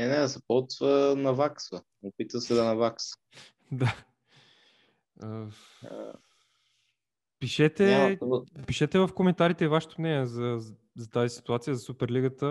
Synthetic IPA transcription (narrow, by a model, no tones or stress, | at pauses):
nɛnɛzɐpɔvənɐvaksvə | opit̪əsɛd̪ɐnɐvaks | d̪a | ə | piʃɛt̪ɛ | piʃɛt̪ɛvɐfkomɛnt̪aɾit̪ɛivaʃɛ̥t̪omnɛnʲiɛzɐ | zɐt̪azisi̥t̪uat̪sijəzɐsupɛɾliɡət̪ə